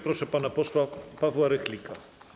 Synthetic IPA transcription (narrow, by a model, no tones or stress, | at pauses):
pɾɔʂɛpanapɔswapavwaɾɛxlʲikʰa